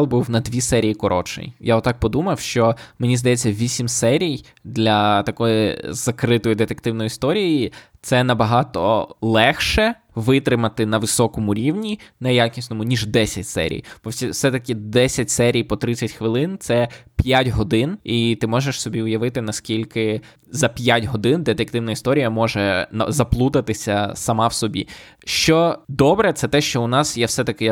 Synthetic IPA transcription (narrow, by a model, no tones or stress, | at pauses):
lˠbuwnɐd̪ʲʋʲisɛɾʲijikɔɾɔ̰t͡ʃɪ̰jjaɔt̪ːɑk̚pɔd̪umɐwʃt͡ʃɔmenʲizd̪ɐjɛt͡sʲːɐʋʲisʲimsɛɾʲij | d̪lʲɐt̪ɐkɔjizɐkɾɪt̪ɔjid̪et̪ekt̪ɪwnɔjiist̪ɔɾʲijit̪sɛnɐbɐɦɑt̪ɔ̰lˠɛxʃɛ | ʋɪt̪ɾɪmɐt̪ɪnɐʋɪsɔkɔmʊɾʲiwnʲinɛjakʲisʲnɔmʊnʲiʒd̪ɛsʲɐtʲsɛ̰ɾʲḭjb̥ɔsʲisɛt̪ɐkɪd̪ɛsʲɐt̚ʲsɛɾʲijpɔt̪ɾɪt͡sʲːɐtʲxʋɪlˠɪnt̪sɛpʲjatʲɦɔd̪ɪnit̪ɪmɔʒeʃsɔbʲiʊjɐʋɪt̪ɪnɐskʲilʲkɪ | zɐpʲjatʲɦɔd̪ɪnd̪et̪ɛk̚t̪ɪwnɐist̪ɔɾʲijɐmɔʒɛnɐ̰zɐplˠut̪ɐt̪ɪsʲɐsɐmɑwsɔbʲḭ | ʃt͡ʃɔd̪ɔbɾɛt̪sɛt̪ɛʃt͡ʃɔʊnɑsjawsɛt̪ɐkɪ